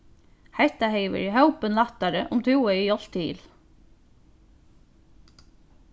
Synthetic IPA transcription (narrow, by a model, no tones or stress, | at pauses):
hɛt̪ahɛɪʋɪ̰ɾɦœwpənlaht̪aɾə̰ʔʊmt̪ʰuːəijɔl̥t̪ḭːl